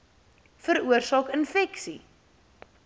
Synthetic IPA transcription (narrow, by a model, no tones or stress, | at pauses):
fəɾuərsɑːkənfɛksḭ